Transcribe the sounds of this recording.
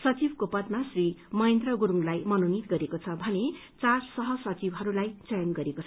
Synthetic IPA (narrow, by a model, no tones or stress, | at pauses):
sʌt͡sibkopʌt̪̚masrimʌent̪rʌɡuɾuŋlajmʌnonit̪ɡʌɾekot͡sʰʌbʱʌne | t͡sarsʌɦʌsʌt͡sibɦʌɾulajt͡sʌjʌnɡʌɾekot͡sʰ